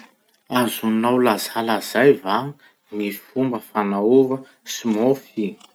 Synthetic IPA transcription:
azunawlazalaz̥ajvaŋ | mifumbəfanauvə | simofi

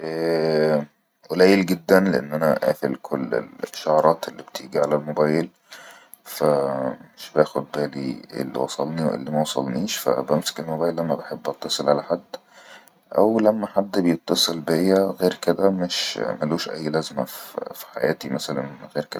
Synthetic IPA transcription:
ʔæː | ʔelæːjelɡed̪ːænleʔḛnːʔænæʔæ̰ːfḛlkʰolːḛlʃːoʕɑɾˤɑːt̪elːib̥t̪ʰiːɡiʕalælmobæːjel | fæmeʃbæːxod̪̚bæːliḛlːḭwɑsˤɑlniḛlːimæwɑsˤɑ̰lniːʃfæ̰bæmse̥kelmobæːjelʔæmːæbeħebːʔɑt̪ˤːɑsˤelʕalæħad̪ː | ʔæ̰wlæmːæħad̪ːbejet̪ˤːɑsˤelbejːæɣeːɾked̪æmeʃmæluːʃʔæ̰jːlæzmæ̰ffi̥ħa̰jæːt̪imæsælænɣeːɾked̪æ

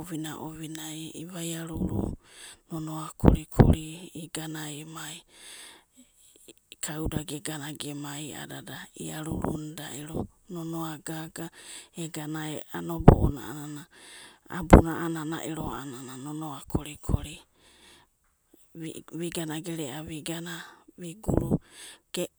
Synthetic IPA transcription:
oβinaʔoβinajiβajaɾuɾṵnonoakʰo̰ɾikʰo̰ɾiːɡanaemaj | kʰawdaɡeɡanaɡemaja̰dadaḭaɾṵɾṵnda̰ʔiɾo̰nonoaɡaɡaeɡanaea̰nobo̰ʔona̰ananaa̰bunaʔanana̰ʔiɾoa̰anananonoakʰoɾikʰoɾi | βiɡanaɡeɾeʔaβiɡanaβiɡṵɾuɡ̥e

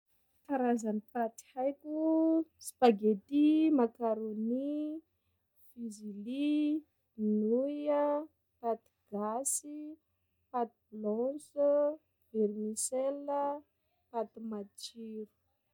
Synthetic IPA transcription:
k̪aɾazanipati̥hajkuspaɡet̪imakaɾoni | fizili | nuja | pat̪iɡ̥asi | pat̪iblɔsə | eɾimiselə | pat̪umat͡ʃiɾu̥

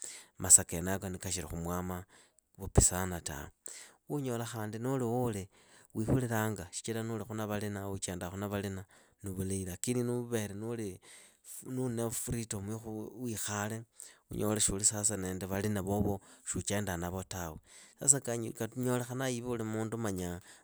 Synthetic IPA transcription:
masakenakonikaʃiɾixumwaːma | βupisanata̰uɲo̞laxaːndinuliwuli | wixuliɾaŋɡaʃi̥t͡ʃilanulixunaβalinaut͡ʃeːndaxunaβalina | nuβuleilakininuβe̞ɾenuli | nunefɾitomwixuwixale̞ṵɲolaʃulisas̬aneːndeβalinaβoβoʃut͡ʃe̞ːndanaβo̞tawesa̰s̬akakaɲo̞lexanajiβulimuːndumaɲa

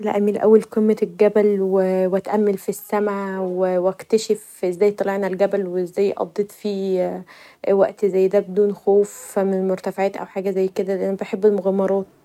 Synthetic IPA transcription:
læ̰ʔæmːiːlʔæ̰wːælkomːet̪lɡæbælwewæt̪ʔæmːelfisːæmʕawewækt̪æʃef | ʔezːæːjt̪ˤɑleʕnælɡæbælweezːæːjːʔɑ̰d̪ˤːet̪ˤfi | wæʔt̪zæjːd̪æːbed̪uːnxoːfmemoɾt̪æfʕaːt̪ʔæ̰wħaːɡæzæjːked̪ælʔænæbeħebːelmoɣæmːɑɾˤɑːt̪

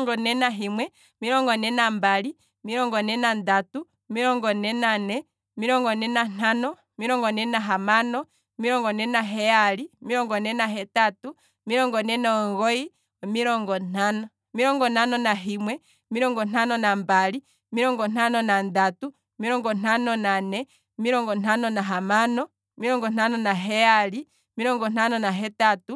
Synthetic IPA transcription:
ŋɡɔnɛnaɦimwɛ | miɾɔŋɡɔnɛnambali | miɾɔŋɡɔnɛnandatu | miɾɔŋɡɔnɛnanɛ | miɾɔŋɡɔnɛnan̥anɔ | miɾɔŋɡɔnɛnaɦamanɔ | miɾɔŋɡɔnɛnaɦɛalimiɾɔŋɡɔnɛnaɦɛtatu | miɾɔŋɡɔnɛnɔɔŋɣɔi | ɔmiɾɔŋɡɔn̥anɔ | miɾɔŋɡɔn̥anɔnaɦimwɛ | miɾɔŋɡɔn̥anɔnambali | miɾɔŋɡɔn̥anɔnandatu | miɾɔŋɡɔn̥anɔnanɛ | miɾɔŋɡɔn̥anɔnaɦamanɔ | miɾɔŋɡɔn̥anɔnaɦɛali | miɾɔŋɡɔnanɔnaɦɛtatu

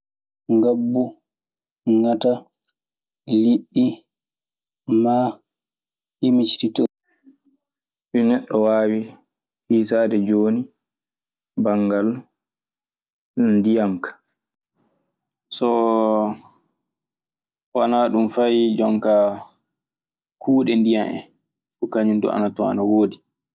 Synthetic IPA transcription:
ŋɡabːu | ŋata | liɗːi | ma | himit͡ʃtito | ɗinɛɗːɔwaːwi | ʔiːsaːdɛd͡ʒoːni | baŋɡal | ndijaŋkḁ | sɔ | wanaɗumfajd͡ʒɔŋka | kʰuːɗɛndijanʔɛ̰ | kɔkaɲundɔ̰a̰natɔa̰nawoːdi

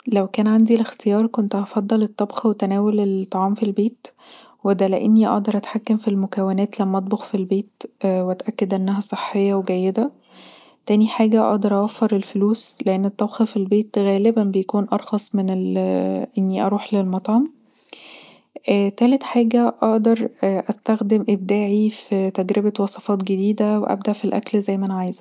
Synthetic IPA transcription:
læwkæːnʕand̪ilext̪ejɑːɾˤkont̪ʔɑfɑd̪ˤːɑlet̪ˤːɑbxɑwet̪ænæːwolelt̪ˤːɑʕɑːmfilbeːt̪ | wed̪æleʔenːiʔɑ̰ʔd̪ɑɾˤʔæt̪ħakːæmfilmokæwenæːt̪læmːæʔɑt̪̚ˤboxfilbeːt̪weʔæt̪ʔækːed̪ʔænːæɦæsˤeħːejːɑweɡæjːed̪æ | t̪æːniħaːɡæʔɑ̰ʔd̪ˤɑɾˤʔɑwæfːɑɾˤelfoluːsleʔenːet̪ˤːæwxɑfilbeːt̪ɣæːlebænbejækuːnʔɑɾˤxɑsˤmenelʔenːiʔɑɾˤuːħlelmɑt̪ˤɑːm | ʔt̪æːlet̪ħaːɡæʔɑʔd̪ɑɾˤʔæst̪æxd̪emʔeb̚d̪æːʕifit̪æɡɾebæwɑsˤɑfɑːt̪ɡed̪iːd̪æweʔæ̰b̚d̪æʔfilʔæ̰klzæjːmænʕajzæ

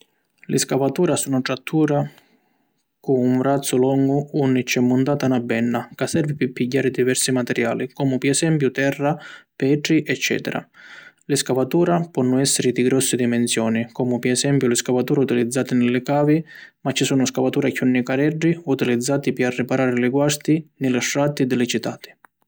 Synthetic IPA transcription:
lɪskavat̪uːɾasunaʈɾat̪ʰːuːɾa | kuuɱɾat̪sːʊlɔŋɡʊunːit͡ʃːɛmːʊnt̪aːt̪anabːɛnːakasːɛɾvipɪpːiɟːaːɾɪd̪ivɛɾsimat̪ɛɾja̰ːlikɔːmʊpɪɛsɛmpjʊt̪ɛrːapɛːʈ̪ɾiʔɛt͡ʃːɛ̰ːt̪ɛɾa̰ | lɪskavat̪uːɾapwɔnːʊɛsːɪɾɪd̪iɡɾɔsːɪd̪imɛnsjɔːnikɔːmʊpɪɛsɛmpjʊlɪskavat̪uːɾaut̪ilid̪zːaːt̪ɪnɪlːɪkaːvimat͡ʃːisuːnʊskavat̪uːɾakunːikaɾɛɖːiut̪ilid̪zːaːt̪ipɪarːɪpaɾaːɾɪlɪɡwast̪inɪlaʂɾat̪id̪ɪlɪt͡ʃit̪aːt̪i̥

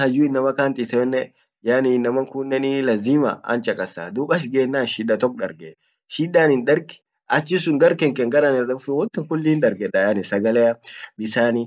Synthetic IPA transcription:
hɐjuːɪnːɐmɐkaːnt̪it̪ɛɛnːɛ | janinːɐmɐŋkuːnːɛnilɐziːmɐ̰ɐ̰nt͡ʃɐkʼɐsa̰ːd̪uːɓɐʃɡeːnːaːnʃiːᶑɐt̪ɔk̚ᶑɐɾɡɛ | ʃiːᶑaːnɪnᶑɐɾɡ | ʔɐt͡ʃːɪsʊŋɡɐɾkɛŋkɛŋɡɐɾanɪrːɛʊfɛwɔnt̪ɪŋkʊlːiːndɐɾɡɛᶑɐjanɪsɐɡɐlɛjɐbɪsaːni

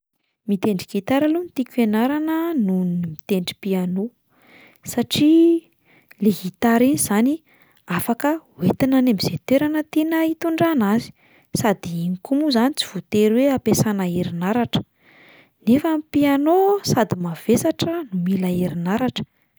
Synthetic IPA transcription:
mit̪eɳɖ͡ʐikit̪aɾalunit̪ikʲuenaɾanənunnimit̪eɳɖ͡ʐi̥piano | saʈ͡ʂi | leɦit̪aɾinizani | afakəuwet̪inanemiz̥et̪eɾanət̪enəit̪uɳɖ͡ʐanazi̥ | sad̪iiŋikumuzanit͡si̥v̥ut̪eɾweapesanaeɾinaɾaʈ͡ʂə̥ | nefampianosad̪imav̥esaʈ͡ʂənumilaeɾinaɾaʈ͡ʂə̥

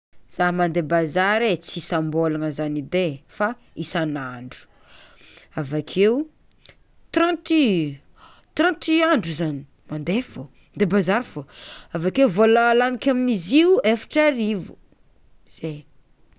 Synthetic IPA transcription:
z̥aɦmand̪ebazaɾet͡sisambolanəzanid̪efa | isanaɳɖ͡ʐu̥ | avakʰeu | t̪ɾãnt̪i | t̪ɾãnt̪iaɳɖ͡ʐuzani̥ | mand̪efo | nd̪ebazaɾfoavakeuvolalanikʲaminiziuefḁʈ͡ʂaɾivu | z̥e

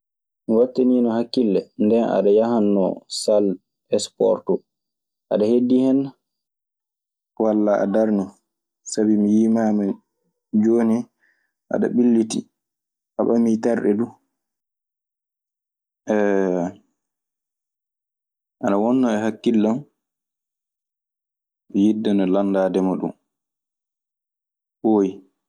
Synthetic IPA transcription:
miwatːeninɔhakːilːɛndɛnʔa̰ɗajaɦanːɔ̰sal | ɛspɔ̰ɾtɔ | ʔa̰ɗahedːihɛn | walːaʔa̰daɾnɔ | sabimijimaːma | d͡ʒoːni | ʔa̰ɗa̰ɓilːitḭ | ʔaɓamitaɾɗɛ̰du | ʔɛ | ʔanawɔnːɔɛhakːilːɔn | mijidːɛnɔlandaːdɛmaɗṵn | boːji

